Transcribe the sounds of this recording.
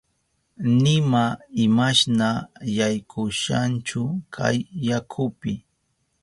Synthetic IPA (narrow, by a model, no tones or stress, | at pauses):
nɪmaɪmaʃnajajkʰʊʃant͡ʃʊkʰa̰jːakʰʊpɪ